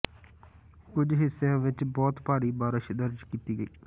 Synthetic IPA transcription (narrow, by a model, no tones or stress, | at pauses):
kʊd͡ʒɦɪsːejãːʋɪt͡ʃbɔːt̪paːɾiːbaːɾɪʃd̪əɾd͡ʒkiːt̪iːɡəiː